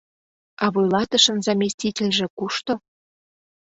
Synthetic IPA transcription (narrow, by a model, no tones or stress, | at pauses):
ɑβojlɑt̪əʃə̆nzɑmʲesʲtʲitʲelʲʒĕkuʃt̪o